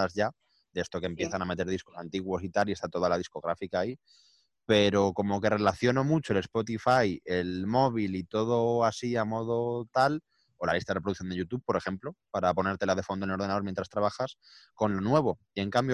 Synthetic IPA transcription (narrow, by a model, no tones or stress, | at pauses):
azʝa | d̪ee̞st̪o̞kempje̞θaname̞t̪e̞ɾð̞isko̞sant̪iɣwo̞sit̪alie̞st̪at̪o̞ð̞alað̞isko̞ɣɾa̰fikaːi | pe̞ɾo̞ko̞mo̞ke̞re̞laθjo̞no̞mut͡ʃo̞e̞le̞spo̞t̪ifaje̞lmo̞β̞ilit̪o̞ð̞o̞asiamo̞ð̞o̞t̪al | o̞la̰list̪aðrepɾoðuθjod̪eʝut̪uβ̚po̞ɾe̞xe̞mplo̞paɾapo̞ne̞ɾt̪e̞laðe̞fo̞nd̪ono̞ɾðe̞naðoɾmjent̪ɾast̪ɾaβaxas | ko̞nlo̞nwe̞βo̞ie̞ŋkambjo